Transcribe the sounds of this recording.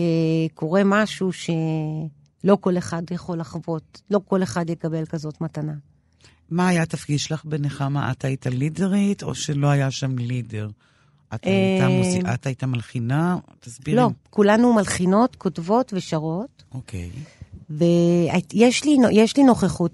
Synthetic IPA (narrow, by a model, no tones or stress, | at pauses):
ekʰo̞ʁe̞maʃuʃe̞ | lo̞ko̞le̞χadjeχo̞laχvo̞t̪lo̞ko̞le̞χadjekabe̞lkazo̞tmatana | maːjat̪afɡiʃlaχbeneχamaʔa̰t̪ajt̪alideʁit̪o̞̰ʃeloajaʃamlideʁ | ʔateaat̪ajt̪amalχinat̪azbilo̞kulanumalχino̞tkʰo̞tvo̞tveʃaʁo̞t | okʰḛjveajeʃlinojeʃlino̞χeχut